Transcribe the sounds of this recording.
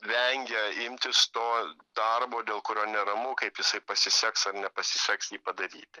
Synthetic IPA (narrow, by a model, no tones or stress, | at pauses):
ʋʲɛŋʲɡʲɛɪmʲt̪ʲɪst̪oːd̪̥ɐrboːd̪ʲeːlˠkʊɾʲoːnʲɛɾɐmʊkɐɪpjɪsɐɪpɐsʲɪsʲɛksɐrnʲɛpɐsʲɪsʲɛksjiːpɐd̪ɐɾʲiːt̪ʲɪ